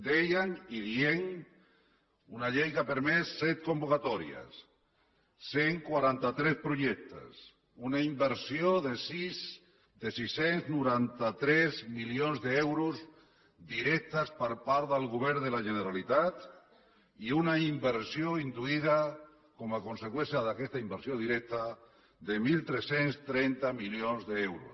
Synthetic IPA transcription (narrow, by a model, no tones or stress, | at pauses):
d̪ejaŋiðieŋ | unaʎejɣapeɾmesːɛt̪̚kombukat̪ɔɾia̰sː | eŋkwaɾant̪at̪ɾɛspɾuʒɛk̚t̪ə̰s | unaimbeɾsioðesiz | d̪esisenznuɾant̪at̪ɾɛzmilionzðeewɾus | d̪iɾɛk̚t̪aspəɾpaɾðelˠɣuβ̞ɛɾd̪elaʒeneɾalit̪at̪ | iunaimbeɾsjoind̪uiða | kɔmakonsekwɛ̃nsjaðakɛst̪aimbəɾsjoðiɾɛk̚t̪a | ðemilt̪ɾesenst̪ɾɛnt̪amiljonzðeewɾṵs